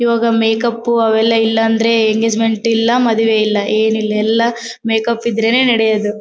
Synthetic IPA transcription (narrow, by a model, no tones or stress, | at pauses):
iʋaːɡɐmeːkɐpːuɐʋɛlːɐilːɐːnd̪ɐɾe̞eŋɡe̞ːd͡ʒme̞ɳʈilːɐmɐd̪uʋeilːɐʔeːnilːɐɛlːɐ | meːkɐpːid̪ɾeneːnɐɽejɐd̪u